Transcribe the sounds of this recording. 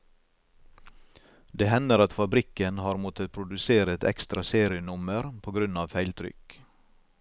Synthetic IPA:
d̪eːhɛnəɾɑt̪fɑbɾɪkənhɑːɾmɔt̪ʰət̪̚pʰɾʊd̪ʉseːɾəɛt̪ɛ̰kst̪ɾɑseːɾɪənʊməɾpʰoːɡɾʉnɑːʋfæɪlt̪ʰɾʏ̰k

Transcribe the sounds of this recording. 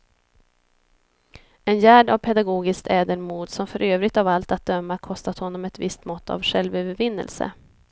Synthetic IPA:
ɛnjæːɖavpʰɛd̪aɡoːɡɪskt̪ʰɛːd̪əɳmuːd̪sɔmfœɾøːvɾɪɡ̚t̪avalt̪at̪̚d̪œmːakʰɔst̪at̪hɔnːɔmɛt̪vɪst̪mɔt̪ːa̰vɧɛlvøːvəɾvɪnːə̰lsə̰

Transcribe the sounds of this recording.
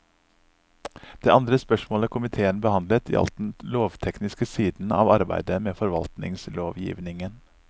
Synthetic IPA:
d̪̥eːʔɑnd̪ɾəspœʃmoːləkʰʊmɪt̪ʰeːənbəhɑnd̪lət̪ḭːʔɑ̰lt̪n̩t̪loːʋt̪ʰɛknɪskəsiːd̪n̩ɑ̰ːʋɑɾbæ̰ɪd̪əmeːfɔɾʋɑ̰lt̪nɪ̰ŋsloːʋjḭːʋnɪŋən

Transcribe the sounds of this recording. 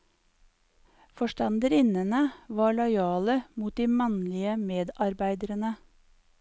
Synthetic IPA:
fɔʃtɑnd̪əɾɪnənəʋɑːɭɔʏɑːləmuːt̪̚d̪iːmɑnlɪəmeːd̪ɑɾbæɪd̪əɾənə

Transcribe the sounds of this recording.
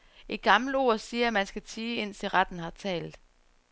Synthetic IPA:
e̝̥ɡ̥ɑ̈ml̩o̝̰ɐsiːɐæmænsɡ̥æt͡sʰiːe̝n̰siʁɑd̥n̩hɑ̈t͡sʰɛ̰ːld̥̩ˠ

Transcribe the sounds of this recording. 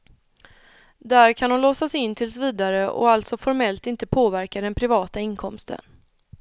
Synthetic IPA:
d̪æɾkʰanʊnlɔsasɛɪnːt̪ʰɪlsviːd̪aɾəʔɔ̰alt̪sɔfɔɾmɛlt̪ɪnt̪əpʰoːvæɾkad̪ɛnpʰɾɪvɑːt̪aɪnkʰɔmst̪ʰə̰n

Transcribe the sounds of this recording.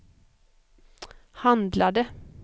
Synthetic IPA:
hɑnd̪lɑɖe

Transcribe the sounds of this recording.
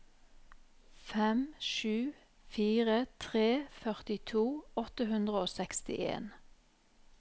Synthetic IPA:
fɛmʃʉː | fiːʁət̪ʰʁeːfœʁt̪ɪt̪ʰuːɔt̪əhʉnd̪ʁəoːsɛkst̪ɪ̰ʔḛːn

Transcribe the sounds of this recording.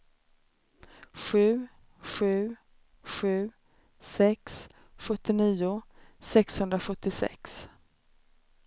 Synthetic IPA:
ɧʉ̟ː | ɧʉ̟ː | ɧʉ̟ː | sɛks | ɧɵt̪ːɪniːʊsɛkshɵnd̪ɾaɧɵt̪ːɪsɛ̰ks

